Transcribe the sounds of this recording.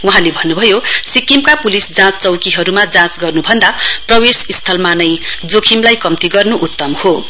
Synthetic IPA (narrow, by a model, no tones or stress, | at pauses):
uɦãlebʱʌnːubʱʌjosikimkapulisd͡zãt͡st͡sʌwkiɦʌɾumad͡zãt͡sɡʌrnubʱʌnd̪aprʌwesist̪ʰʌlmanʌjd͡zokʰimlajkʌmt̪iɡʌrnuʔut̪ːʌmho